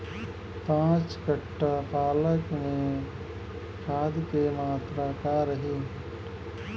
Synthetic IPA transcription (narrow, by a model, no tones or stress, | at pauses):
pãːt͡ʃkəʈːapaːləkmẽ | kʰaːd̪kemaːt̪ɾakaːɾəɦi